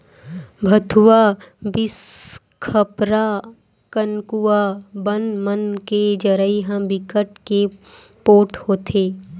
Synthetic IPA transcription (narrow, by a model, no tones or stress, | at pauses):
bʱɐt̪ʰuwabɪs | kʰəpɾa | kənkuwabənmənked͡ʒəɾəiɦãbɪkəʈkepoːʈʰhoːt̪ʰeː